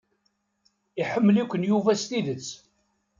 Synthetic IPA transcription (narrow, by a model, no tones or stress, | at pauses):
iħəmːəlikʷənjuvæst̪iðət͡sː